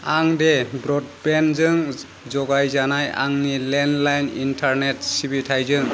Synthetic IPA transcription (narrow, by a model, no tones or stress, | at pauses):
aŋdebɾɔd̚penzɯŋ | zɔɡajzanaja̰ŋnilenlajnintʰaɾnetsibitʰajzɯŋ